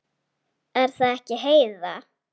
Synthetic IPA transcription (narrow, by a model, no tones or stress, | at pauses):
ɛɾ̥θaðɛhcɪɦeːjða